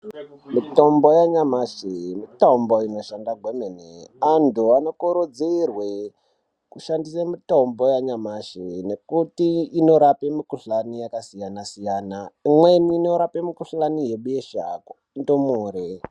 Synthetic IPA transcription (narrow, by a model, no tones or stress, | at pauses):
mito̞mbojaɲamaʃemitomboino̞ʃandaɡʱwemeneantuanokoɾud͡zeirwe | kuʃandisamitombo̞jaɲamaʃene̞kutiːno̞ɾapemikuɬanijakasijanasijaːnaimweniːno̞ɾapemikuɬanije̞ɓeʃa̰k | ndomuːɾe